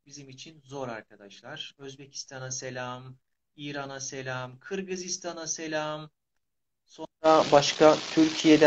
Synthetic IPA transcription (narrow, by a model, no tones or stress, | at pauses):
bizimit͡ʃʰinzo̞ɾaɾkʰad̪aʃlˠaɾ̥ø̞zbe̞cʰi̥st̪ʰanase̞lʲam | iːɾanase̞lʲamkʰɯɾɡɯzist̪ʰanase̞lʲam | so̞nɾabaʃkʰat̪ʰyɾcʰijed̪æ